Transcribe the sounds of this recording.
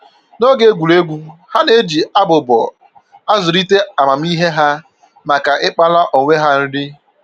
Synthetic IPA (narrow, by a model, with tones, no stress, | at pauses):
no˦ɡe˦ɡʷu˨le˦ɡʷu˦ha˦ne˦d͡ʒi˨a˦bʊ˨bɔ̰˨ | a˦zʊ˨ɾi˦te˦a˨ma˨m̩˦i˦ɦe˦ɦa˦ | ma˨ka˨ʔɪ˦k͡pa˦la˦ʔo˨ŋʷe˦ɦa˦n̩˦ɾɪ˦